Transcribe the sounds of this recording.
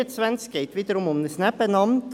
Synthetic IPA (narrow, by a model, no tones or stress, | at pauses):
ɛt̪sʋɛnskeɪt̪ʋɪt̪əɾʊmɔnnəsnæpənɑmn